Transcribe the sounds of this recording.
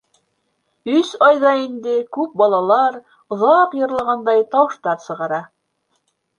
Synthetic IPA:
ɵsɑjðɑind̪ɘkʉp̚bɑlˠɑlˠɑɾ | ŏðɑqjɤ̆ɾlˠɑʁɑnd̪ɑjt̪ɑwɤ̆ʃt̪ɑɾsɤ̆ʁɑɾɑ

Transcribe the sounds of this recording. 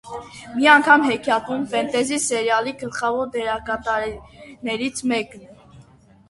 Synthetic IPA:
miɑŋkʰɑmhɛkʰjɑt̪umfɛnt̪ɛzisɛɾjɑliɡəlχɑvɔɾd̪ɛɾɑkɑt̪ɑɾnɛɾit͡sʰmɛkn

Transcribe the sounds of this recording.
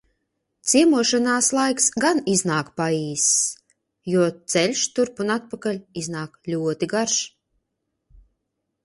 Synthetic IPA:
t̪siɛmuɔʃanaːslˠajksɡaniznaːkpaiːs | juɔt̪sɛlʲʃt̪uɾpunat̪̚pakalʲiznaːklʲuɔt̪iɡaɾʃ

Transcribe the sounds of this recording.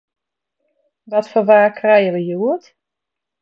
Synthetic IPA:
ʋɔtfɔʋaːkʰrɛjəʋəjuət

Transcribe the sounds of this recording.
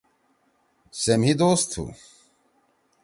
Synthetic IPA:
semɦid̪oːst̪ʰṵ

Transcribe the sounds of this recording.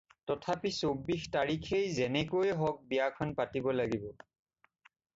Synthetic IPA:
tɔtʰapisobːixtaɹikʰejzɛnɛkojɛɦɔk̚bijakʰɔnpatibɔlaɡibɔ

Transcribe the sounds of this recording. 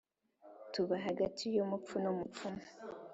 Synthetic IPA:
tuβaɦaɡatʰijomup͡funomup͡fum

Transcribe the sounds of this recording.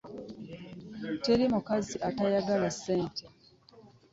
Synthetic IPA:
te̞ɾimukaziʔatajaɡalasːe̞ːnte

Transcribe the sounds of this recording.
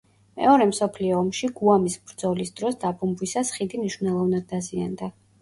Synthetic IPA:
mɛ̰ɔɾɛmsɔpʰliɔːmʃiɡuamisbɾd̪z̥ɔlisd̪ɾɔsd̪abumbwisasχid̪imniʃvnɛlˠɔvnad̪ːazia̰nd̪a

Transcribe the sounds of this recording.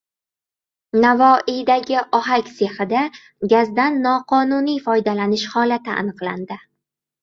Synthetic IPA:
navɒʔijd̪aɡʲɪʔɒɦakʲse̞hɪd̪a | ɡʲazd̪anːɒqʰɒnʊnijfɒjd̪alanɪʃhɒlat̪ɪʔa̰nɨqlˠand̪ɪ

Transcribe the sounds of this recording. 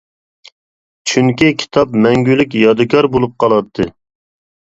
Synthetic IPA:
t͡ʃʰyŋkʲikʲʰi̥t̪ʰɑpmɛŋɡʲylykʲjɑd̪ɨkʰʲɑɾbolˠup̚qʰɑlˠɑt̪ʰːɨ

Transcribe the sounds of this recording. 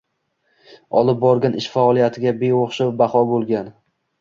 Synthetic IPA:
ɒlˠɪp̚bɒɾɡʲanʔɪʃfaɒlˠijat̪ʰɪɡʲabeoχʃawbaχɒbolˠɡʲan

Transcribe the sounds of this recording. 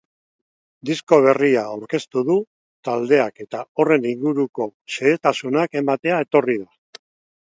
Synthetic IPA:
d̪isko̞β̞e̞riaːwɾke̞st̪uðu | t̪ald̪e̞ake̞t̪ao̞re̞niŋɡuɾuko̞seet̪asunake̞mat̪e̞ae̞t̪o̞rið̞a

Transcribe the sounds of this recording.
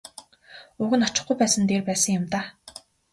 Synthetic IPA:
ʊːɣɘ̆nɔt͡ɕɪ̆χɡujpæːsə̆nt̪eːrpæːsə̆ŋjʊmt̪aː

